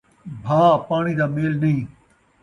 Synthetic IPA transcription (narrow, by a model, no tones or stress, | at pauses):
bʱaːpaːɽ̃id̪aːmeːlnɐĩː